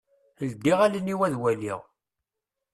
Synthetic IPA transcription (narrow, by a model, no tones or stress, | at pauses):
əld̪ːiʁæləniwæðwælḭʁ